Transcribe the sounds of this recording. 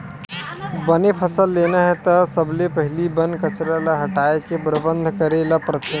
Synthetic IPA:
bənepʰəsəlːenəɦɛt̪əsəblepəɦɪlibənkət͡ʃɾaləɦəʈaekepɾəbənd̪ʱkəɾeləpɾət̪

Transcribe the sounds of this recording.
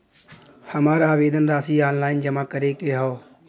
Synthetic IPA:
həmaːɾaːʋeːd̪ənɾaːsiːaːnlaːɪnd͡ʒəmaːkəɾekeːɦoː

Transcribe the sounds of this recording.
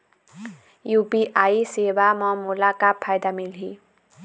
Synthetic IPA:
jupiʔajsebamʌmulakapʰːajd̪amilɦi

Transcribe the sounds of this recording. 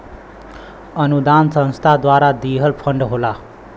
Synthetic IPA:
ʌnud̪ansʌ̃ñst̪ʰad̪waɾad̪iɦəlpʰʌɳɖɦola

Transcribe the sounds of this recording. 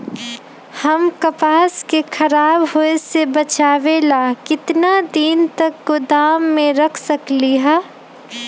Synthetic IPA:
hɐmkɐpaːskexʰɐɾaːbɦoesebɐt͡ʃaːʋelaːkɪt̪nad̪iːnt̪ɐkːɡod̪aːmːẽɾɐkʰsɐkliɦɛː

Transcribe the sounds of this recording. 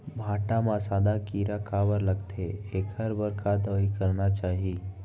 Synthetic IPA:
bʱaʈãmãsaːd̪akiːɾakabəɾləɡt̪ʰeekəɾbəɾkʰad̪əikəɾnat͡ʃaːɦi

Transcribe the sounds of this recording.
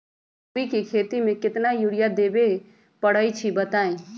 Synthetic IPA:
ikikʰeːt̪imẽkɪt̪najuɽijad̪eːbe | pəɽ̤əit͡ʃʰibət̪aːẽ

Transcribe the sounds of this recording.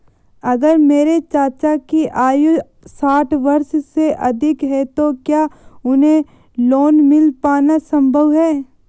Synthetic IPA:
ɐɡəɾmeːɾet͡ʃaːt͡ʃakiʔaːju | saːʈʰʋɐɾʃseʔɐd̪ʱɪkɦɛt̪okjaːʊnɦẽ | loːnmɪlpaːnasɐ̃mbʱəʋɦɛː

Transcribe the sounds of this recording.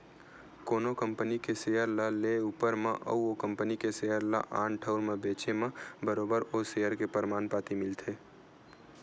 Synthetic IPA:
koːnokə̃mpənikeseːjəɾlaleuːpəɾmḛ̃ʔə̰uokə̃mpənikeseːəɾla̰ʔa̰ːnʈʰəʊɾmẽbeːt͡ʃemẽbəɾoːbəɾoːseːəɾkepəɾɪmaːnpaːt̪imɪlt̪ʰeː

